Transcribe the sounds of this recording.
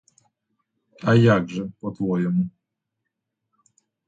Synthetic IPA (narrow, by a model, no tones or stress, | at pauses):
ajaɡʐɛpɔt̪wɔjɛmu